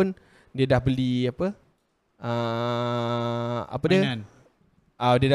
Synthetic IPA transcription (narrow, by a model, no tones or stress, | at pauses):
ʊn | diədahbəliapə | ʔə | a̰pədiən | ədiəda